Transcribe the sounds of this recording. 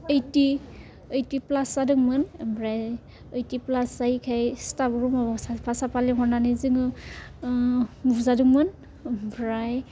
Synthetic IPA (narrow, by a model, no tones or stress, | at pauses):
ejti | ejtiplasadɯŋmɯnbɹaj | əjtiplasaikʰajstabɔɹumɔbsapasapaliɦɔnanɯzɯŋɯ | uzadɯŋmɯn | bɹaj